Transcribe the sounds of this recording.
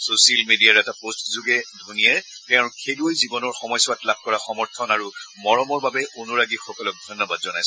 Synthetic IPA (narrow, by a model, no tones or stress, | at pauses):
sosialmediaɹɛtapostzuɡɛdʱunijatɛʊ̃kʰeluojzibɔnɔɹxɔmɔjsʊwatlab̚ʱkɔɹaxɔmɔɹtʰɔnaɹumɔɹɔmɔɹbabɛʔonuɹaɡixɔkɔlɔk̚dʱɔjnːɔbadzɔnajsɛ